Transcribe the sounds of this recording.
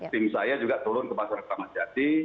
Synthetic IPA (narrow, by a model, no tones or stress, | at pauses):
t̪ɪmsajad͡ʒuɡat̪ulʊnkəpasaɾk̚t̪amasiat̪i